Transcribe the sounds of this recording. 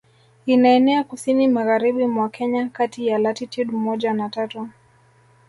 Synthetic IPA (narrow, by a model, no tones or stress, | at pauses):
inaɛnɛakusinimaɣaɾiɓimwakɛɲakatijalatitiɗmɔʄanatatu